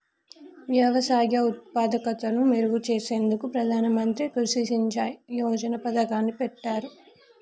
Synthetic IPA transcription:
ʋjɐʋɐsaːrjɐut̪̚paːd̪ɐkɐt̪ɐnumeɾuʋut͡ʃeːse̞ːnd̪ukupɾɐd̪ʱaːnɐmɐnt̪ɾikɐɾʃiʃiɲt͡ʃaːjijɔːd͡ʒɐnɐpɐd̪ɐkaːnːipɛʈːaːɾu

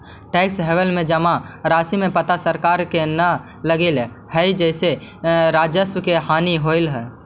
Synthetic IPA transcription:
ʈeːksɦewəlmẽd͡ʒəmaɾaːsimẽpət̪asəɾkaːɾkenə | ləɡɪl | hɛid͡ʒɛɪseɾaːd͡ʒəswəkeɦaːniɦoɪlɦɛː

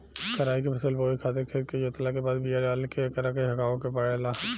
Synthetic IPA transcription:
kɐɾaːikepʰɐsəlboːikʰaːt̪eɾkʰeːɾkejoːt̪lakebaːd̪bijaɾjaːlkekɐɾakeɦɐkaːokepəɽelaː

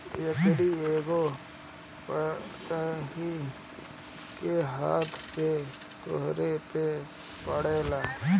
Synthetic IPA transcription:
jekɽieːɡo | pət̪aɦi | keɦaːt̪ʰse | t̪o̰ɦɾepe | pəɽeːlaː

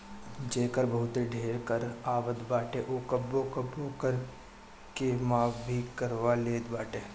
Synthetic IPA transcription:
d͡ʒeːkəɾbɐɦʊt̪eɖʱeːɾkəɾaːʋəd̪baːʈeʔoːkɐbːokɐbokəɾ | kemaːʋbʱikɐɾʋaleːd̪baːʈeː

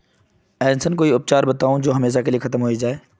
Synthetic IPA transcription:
ɛːnsənkoːiʊp̚t͡ʃaːɾbɐt̪aːũd͡ʒoːɦɐmeːʃ̬akeliexʰɐt̪əmɦoːid͡ʒaːeː

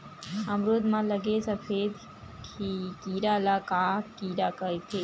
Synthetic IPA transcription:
ɐmɾoːd̪mãləɡesəpʰeːd̪ | kʰikiːɾalakakiːɾakəet̪ʰe

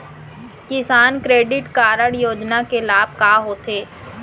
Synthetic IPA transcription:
kɪsaːnkɾeːɖɪʈkaːɾəɽjoːd͡ʒnakelaːb̚ʱkaːɦoːt̪ʰeː

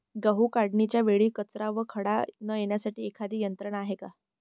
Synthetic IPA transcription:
ɡəɦuːkaɽɳit͡ɕjaʋeɭiːkət͡sɾaʋəkʰəɽanəjeɳjasaʈiːekʰad̪iːjənt̪ɾəɳaɦeka

